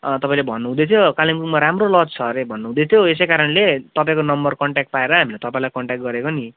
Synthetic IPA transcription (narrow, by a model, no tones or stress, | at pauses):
t̪ʌpaĩlebʱʌnːuɦũd̪ʌet̪ʰjokalimkukmaɾamrolʌt͡st͡sʰʌɾebʱʌnːuɦũd̪et̪ʰjoes̬ejkaɾʌnlet̪ʌpaĩkonʌmbʌrkʌɳʈak̚ʈ̚paeɾʌɦamilet̪ʌpãĩlajkʌɳʈjak̚ɡʌɾekoni